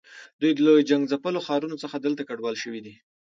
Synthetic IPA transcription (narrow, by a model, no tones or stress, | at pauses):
d̪ujd̪əlojd͡ʒaŋɡzapəloxɑɾunot͡səxad̪əlt̪akaɖwɑlʃəwid̪i